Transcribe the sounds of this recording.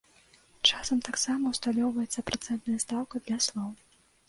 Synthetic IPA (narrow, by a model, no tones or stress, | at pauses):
t͡ʂasɐmt̪aksamɐwst̪alʲɔwvɐjɛt̪sːɐpɾat̪sɛnt̪nɐjɐst̪awkɐd̪lʲɐslˠɔw